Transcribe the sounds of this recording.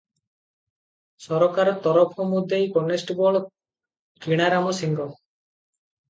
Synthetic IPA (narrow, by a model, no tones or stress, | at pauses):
sɔɾɔkaɾɔt̪ɔɾɔpʰɔmud̪ʱejkɔnesʈbɔɭɔ | kiɽ̃aɾamɔsiŋɡɔ